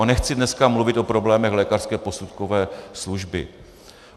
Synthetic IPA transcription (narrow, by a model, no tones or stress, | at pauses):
nɛxt͡sɪdnɛskamluvɪt̪ʔo̞pɾo̞blɛːmɛxlɛːkar̥skɛːpo̞sut̪kovɛːsluʒbɪ̰